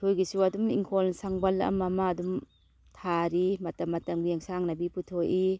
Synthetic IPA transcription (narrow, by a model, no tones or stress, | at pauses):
tʰojɡisuadumḭŋkʰolnsaŋbɐlɐ̰mɐmaːdum | tʰaɾimɐtɐmːɐtɐmɡieŋsaŋnɐbiputʰoji